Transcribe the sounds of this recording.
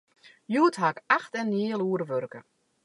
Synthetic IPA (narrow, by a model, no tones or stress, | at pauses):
juːtɦakaxtɛnːjiəlˠuəɾəʋørkə